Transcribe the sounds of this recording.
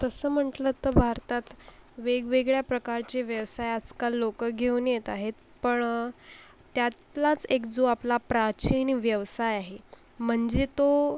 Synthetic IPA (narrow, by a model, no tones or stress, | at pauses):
t̪əsəːm̤əʈlət̪əbʱaɾt̪at̪ʋeɡʋeɡɭjapɾəkaɾt͡ɕeʋjəʋsajad͡zkalːokəɡʱeunjet̪aɦet̪ | pəɳ | t̪jat̪lat͡sekd͡zoaplapɾat͡ɕinʋjəʋsajaɦe | m̤əɳd͡zet̪o